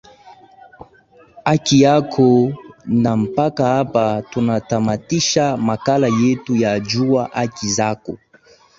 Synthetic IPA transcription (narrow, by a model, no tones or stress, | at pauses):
akijakʰonam̩pakaapatonatamatiʃamakalajetujad͡ʒuaʔakizako